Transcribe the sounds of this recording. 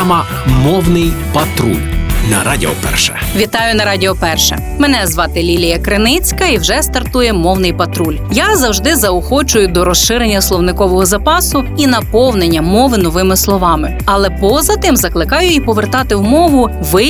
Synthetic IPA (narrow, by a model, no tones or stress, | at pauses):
mɐ | mɔwnɪjpɐt̪ɾṵlʲnɐ̰ɾadʲḭɔ̰pɛ̰rʃɛ̥̰ | ʋʲit̪ɑjʊnɐɾɑdʲiɔpɛrʃɛ̰ | mɛnɛzʋɑt̪ɪlʲilʲijɐkɾɪnɪt͡sʲkɐiwʒɛst̪ɐrt̪ujɛmɔwnɪjpɐt̪ɾulʲjazɐwʒd̪ɪzɐʊxɔt͡ʃʊjʊd̪ɔɾɔsʃɪɾenʲːɐslˠɔwnɪkɔʋɔɦɔzɐpɑsʊinɐpɔwnenʲːɐmɔʋɪnɔʋɪmɪslˠɔʋɑmɪ | ɐlˠɛpɔzɐt̪ɪmzɐklˠɪkɑjʊipɔʋert̪ɑt̪ɪwmɔʋʊ | ʋɪ